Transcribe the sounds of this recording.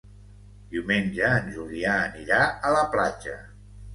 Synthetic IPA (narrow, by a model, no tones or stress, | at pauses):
d̪iumenʒəːnʲʒuliaːniɾaələplad͡ʒə̰